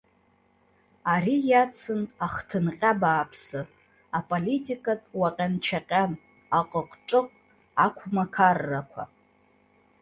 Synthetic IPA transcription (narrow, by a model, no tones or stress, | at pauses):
aɾijat͡sʰɨnaχtʰɨnqʲʼabaːpʰsɨ | apʼolitʼikʼatʼwaqʲʼant͡ʃʰaqʲʼan | aqʼəqʷʼʈ͡ʂʼɨqʷʼ | akʷʰmakʰarːakʷʰa̰